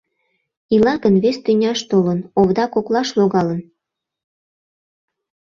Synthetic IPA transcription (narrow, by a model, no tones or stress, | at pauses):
ilɑɣənβest̪ynʲɑʃt̪olənoβd̪ɑkoklɑʃloɣɑlən